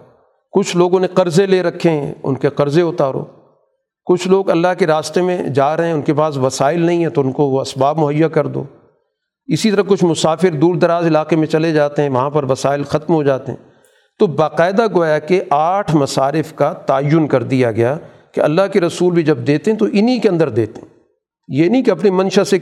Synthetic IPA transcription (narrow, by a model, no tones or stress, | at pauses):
kʊt͡ʃʰloːɡõneqɐɾzeleːɾɐkʰːeɦɛ̃ʊ̰nkeqɐɾzeʊt̪aːɾo̰ː | kʊt͡ʃʰloːɡɐlːaɦkeɾaːst̪emẽd͡ʒaːɾɐɦẽɛ̃ʊnkepaːsʋɐsaːɪlnɐɦĩɦɛ̃t̪oʊnkooɐsbaːbmʊɦəjːakɐɾd̪o̰ː | ɪsit̪ɐɾɐkʊt͡ʃʰmʊsaːfɪɾd̪uːɾd̪ɐɾaːzɪlaːqemẽt͡ʃɐled͡ʒaːt̪eɦɛ̃ʋɐɦãpɐɾʋɐsaːɪlxɐt̪mɦod͡ʒaːt̪eɦɛ̰̃ː | t̪obaːqaːɪd̪aɡoːjakeʔaːʈʰmɐsaːɾɪfkat̪aːjːʊnkɐɾd̪ijaɡɐjaː | keɐ̰lːaɦkeɾɐsuːlbʱid͡ʒɐb̚d̪eːt̪eɦɛ̃t̪oʔɪnikeɐ̃nd̪əɾd̪eːt̪eɛ̃ | jeːnɐĩkeɐpnimɐ̃nʃase